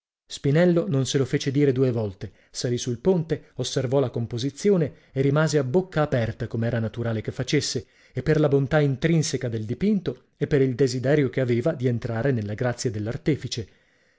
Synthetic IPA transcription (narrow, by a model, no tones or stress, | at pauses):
spinɛlːononselofeːt͡ʃed̪iːɾed̪uːevɔlt̪e | salisuilpont̪eosːervɔlakompozit̪sːjoːne | erimaːzeabːokːaːpɛrt̪akomeɛːɾanat̪uɾaːlekefːat͡ʃesːeː | pːerlabont̪aint̪ɾinsekad̪eld̪ipint̪o | epːeɾild̪ezid̪ɛːɾjokeaveːvad̪ient̪ɾaːɾenelːaɡɾat̪sːjad̪elːart̪iːfit͡ʃe